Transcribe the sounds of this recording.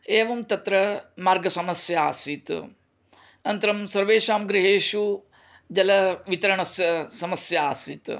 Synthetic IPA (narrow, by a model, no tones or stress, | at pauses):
eːʋɐmt̪ɐt̪ɾɐmaːɾɡɐsɐmɐsjɐa̰ːsit̪ | nɐnt̪ɐɾɐmsɐɾʋeːʃaːmɡɾiɦeːʃu | d͡ʒɐlɐʋit̪ɐɾɐɳɐsjɐsɐmɐsjɐaːsit̪